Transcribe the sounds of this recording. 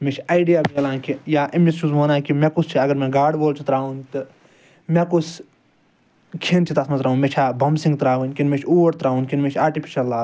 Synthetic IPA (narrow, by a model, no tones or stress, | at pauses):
met͡ʃʰi̥aːjɖijaːbeːlaːnkijaːʔimist͡ʃuzmoːnaːkimẽkʊst͡ʃʰiɐɡɐɾmẽɡaːɖboːlt͡ʃʰit̪ɾaːʋunt̪ɨ | mẽkut͡sʰ | kʰint͡ʃʰit̪ɐsmɐzɾaːɦũːnmet͡ʃʰaːbɐmsĩŋɡt̪ɾaːʋunʲkʲinmet͡ʃʰuːʋɐɾt̪ɾaːunkinmet͡ʃʰaːɾʈipʰi̥ʃɐlːaː